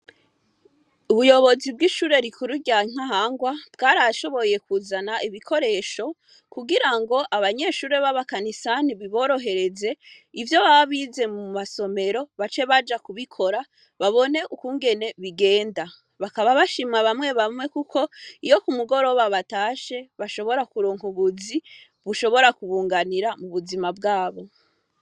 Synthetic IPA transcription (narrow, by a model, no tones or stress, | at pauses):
uβujo̞βo̞zib̚ɡiʃuːɾe̞ɾikuɾuɟaŋ̥aɦaŋɡwab̥ɡaːɾaʃo̞βo̞je̞kuzanaʔiβikʰo̞ɾe̞ːʃo̞ | kuɡiɾaŋɡo̞ʔaβaɲe̞ːʃuːɾe̞βaβakanisaniβiβo̞ːɾo̞ɦe̞ɾe̞ze̞ivjo̞βaβaβiːze̞mumaso̞me̞ɾo̞βat͡ʃe̞βad͡ʒakuβikʰo̞ɾa | βaβo̞ne̞ʔukuːŋɡe̞ne̞βiɡe̞ːnda | βakaβaβaʃimŋaβamŋe̞βamŋe̞kuko̞ijo̞kumuɡo̞ɾo̞βaβataːʃe̞βaʃo̞βo̞ɾakuɾoːŋuβuzi | βuʃo̞βo̞ɾakuβuːŋɡaniɾamuβuzimabɡaːβo̞